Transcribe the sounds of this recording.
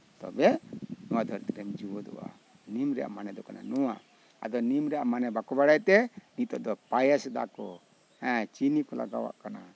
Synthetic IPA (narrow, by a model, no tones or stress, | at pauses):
t̪ɔ̰bɛnuwad̪ɔɾɛt̪ɾɛmd͡ʒuwɔd̪ɔ̰wa̰ | nimɾɛja̰manɛd̪ɔkana̰nɔwa | a̰d̪ɔnimɾɛamanɛbakɔbaɽajt̪ɛnit̪ɔʔd̪ɔpajasd̪akɔ | hɛ̃t͡ʃinikɔla̰ɡa̰wa̰ʔkana